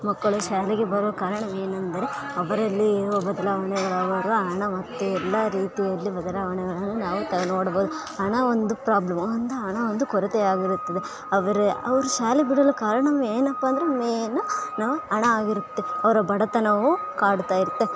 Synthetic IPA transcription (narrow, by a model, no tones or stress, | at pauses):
mɐkːɐɭuʃaːleɡebɐɾuʋɐkaːɾɐɳɐme̞ːnɐnd̪ɐɾe | ɐʋɐɾɐlːiːɾuʋɐbɐd̪ɐlaːʋɐɳɛɡɐɭɐʋɐɾuɦɐɳɐmɐt̪ːuɛlːɐɾiːt̪ijɐlːibɐd̪ɐlaːʋɐɳɛɡɐɭɐnːunaːʋut̪ɐɡɐnoːɽɐbo̞ːd̪u | ɐɳɐond̪upɾaːblɐmɐnd̪ɐɦɐɳɐond̪ukɔɾɐt̪eaːɡiɾut̪ːɐd̪e̞ | ɐʋɐɾeɐʋɐɾuʃaːlebiɽɐlukaːɾɐɳɐmeːnɐpːɐːnd̪ɐɾemeːnunaːʋuɐɳɐaːɡiɾut̪ːeɐʋɐɾɐbɐɽɐt̪ɐnaːʋu | kaːɽut̪aːjiɾut̪ːe